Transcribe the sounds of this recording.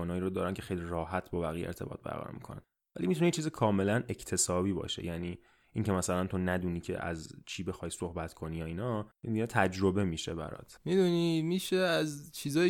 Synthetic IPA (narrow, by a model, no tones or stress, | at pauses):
ɔːnɒːjiːɾod̪ɒːɾæncʰe̞xejlirɒːhæt̪ʰbɒːbæɣiːjeeɾt̪ʰe̞bɒ̰ːt̪̚bæ̰ɾɣæ̰ɾɔ̰mḭːkʰo̰næ̰n | væliːmit̪unejet͡ʃʰiːzikʰɒːme̞læne̞cʰt̪ʰe̞sɒːbiːbɒ̰ːʃe̞̰jæniː | ʔiŋcʰe̞mæsælænt̪ʰonæd̪uniːcʰḛʔæ̰zt͡ʃʰiːbe̞xɒjso̞hbæt̪ʰkʰo̞niːjɒiːnɒed̪inɛt̪ʰæd͡ʒɾobe̞miʃebæ̰ɾɒ̰t̪ʰmid̪unimiʃeæzt͡ʃʰiːzɒː